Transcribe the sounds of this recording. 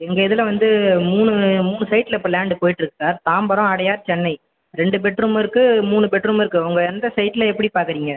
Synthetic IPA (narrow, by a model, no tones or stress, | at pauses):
ɛŋɡɐɪðɪlɐʋɐnd̪ɯmuːnɯmuːɳɯsɐɪʈːɪlɐɛpːɐɐlaːɳɖɯpoːjɪʈːɪɾɯkːɯ̥saːɾt̪aːmbɐɾɐ̃ɐɽɐjaːɾt͡ʃɛnːɐɪ | ɾɛɳɖɯbɛʈːrumɪɾɯkːɯmuːɳɯbɛʈrumɪɾɯkːɯʊŋɡɐɛnd̪ɐsɐɪʈːɪlɐɛpːɐɽipaːɾkɯɾiːŋɡɐ